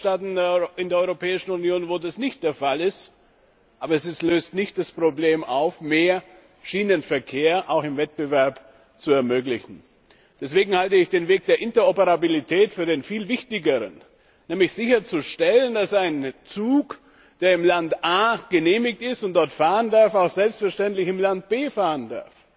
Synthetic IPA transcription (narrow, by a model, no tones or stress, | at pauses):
taːtn̩ɪndeɐɔʏʁopʰɛːɪʃn̩unjoːnvoːdasnɪçt̚d̥eːɐfalɪst | ʔaːbɐɛs̬ɪstløːstnɪçt̚d̥aspʁ̥obleːmaʊfmeːɐ | ʃiːnənfɛɐkʰeːɐʔaʊxɪmvɛt̚b̥əvɛɐp | t͡suɛɐmøːklɪçn̩ | d̥ɛsv̥eːɡŋ̩haltəɪçd̥eːnveːk̚d̥eːɐʔɪntɐɔpəʁabilitʰɛːtfyːɐdeːnfiːlvɪçtɪɡəʁə̰n | nɛːmlɪçz̥ɪçɐt͡suʃtɛləndasaɪnt͡suːk | d̥eːɐɪmlantʔaːɡ̥əneːmɪktɪstʊntd̥ɔɐtfaːʁəndaɐfaʊxz̥ɛlpstfɛɐʃtɛntlɪçɪmlant̚b̥eːfaːʁənda̰ɐf